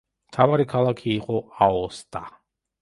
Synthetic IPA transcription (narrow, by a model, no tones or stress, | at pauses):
mt̪ʰavaɾikʰalˠakʰiːqʼɔaɔst̪ʼa